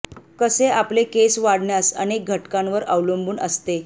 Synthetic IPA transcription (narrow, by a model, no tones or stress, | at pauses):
kəseaplekesʋaɽɳjasə̰nek̚ɡʱəʈkãnʋəɾə̰ʋləmbuːnə̰st̪e